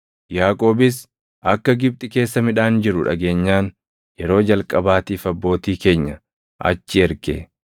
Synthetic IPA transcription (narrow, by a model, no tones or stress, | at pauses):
jaːkʼo̞ːbɪs | ʔɐkːɐɡɪb̚t̪ʼɪke̞ːsːɐmɪᶑaːnd͡ʒɪɾʊᶑɐ̰ɡe̞ːɲːaːn | jɛɾo̞ːd͡ʒɐlkʼɐbaːt̪iːfɐbːo̞ːt̪iːke̞ːɲːɐ | ʔɐ̰t͡ʃːɪɛɾkḛː